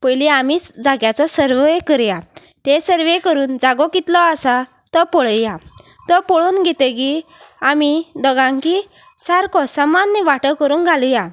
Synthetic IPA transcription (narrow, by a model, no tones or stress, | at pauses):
pəjliamid͡zaɡjat͡sɔsəɾʋekəɾja | t̪esəɾʋekəɾuːnd͡zaɡɔkit̪lɔasa | t̪ɔpɔɭəja | t̪ɔpɔɭonɡʱet̪əɡi | amid̪ɔɡãŋki | saɾkɔsəmanːiʋaʈəkəɾuːnɡʱaluja